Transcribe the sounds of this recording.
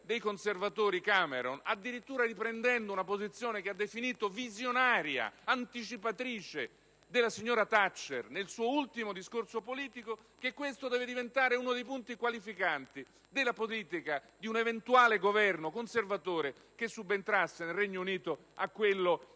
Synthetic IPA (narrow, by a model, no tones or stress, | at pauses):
d̪ejkonservat̪oːɾikameɾonad̪ːiɾit̪ːuːɾaripɾend̪ɛnd̪ounapozit̪sːjoːnekead̪ːefiniːt̪ovizjonaːɾja̰ant̪it͡ʃipat̪ɾiːt͡ʃe | d̪elːasiɲːoːɾat̪at͡ʃːḛrnelsuːoult̪imod̪iskorsopoliːt̪iko | kekːwest̪od̪ɛːved̪ivent̪aːɾeunod̪ejpunt̪ikwalifikant̪i | d̪elːapoliːt̪ikad̪iunevent̪uaːleɡovɛrnokonservat̪oːɾe | kesːubːent̪ɾasːenelrɛɲːouniːt̪o | akːwelːo